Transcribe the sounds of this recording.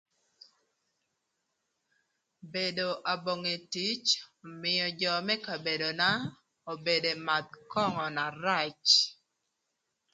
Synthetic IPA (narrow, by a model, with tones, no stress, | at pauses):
be˨do˨ʔa˨bo˨ŋe˨ti˦t͡ʃɔ˨mɪ˨jɔ˨d͡ʒɔ˨mɛ˦ka˨be˨do˨na˦ | o˨be˨de˨ma˨t̪̚kɔ˦ŋɔ˨na˨ɾa˦˨t͡ʃ